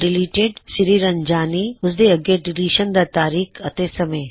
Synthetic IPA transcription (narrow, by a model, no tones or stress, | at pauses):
ɖɪliːʈeɖsɪɾiɾɐɲd͡ʒaːniʊs̬d̪eɐɡeɖɪliːʃənd̪at̪aːɾiːkʰɐt̪eːsɐmeː